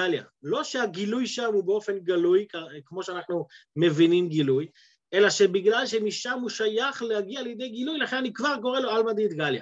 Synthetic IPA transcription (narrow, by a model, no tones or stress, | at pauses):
alja̰lo̞ʃeaɡilujʃamhubeo̞fe̞nɡalujkkmo̞ʃeanaχnume̞vinimɡiluj | ʔe̞laʃe̞biɡlalʃe̞miʃamhuʃajaχlehaɡiaːljed̪e̞jɡilujlaχe̞nanikvaʁko̞ʁeloalmad̪it̪ɡalja̰